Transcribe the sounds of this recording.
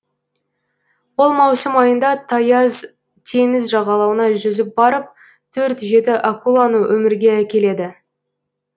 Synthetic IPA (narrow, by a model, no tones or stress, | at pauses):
wo̞lˠmɑwsəmɑjənd̪ɑt̪ʰɑjɑz | t̪ʰe̞ŋɪzʒɑʁɑlˠɑwənɑʒʏzɪp̚bɑɾəp̚ | t̪ʰɵɾt̪ʒe̞t̪ɪʔakulˠɑnuwɵmɪɾɡʲe̞ækʲe̞le̞d̪ɪ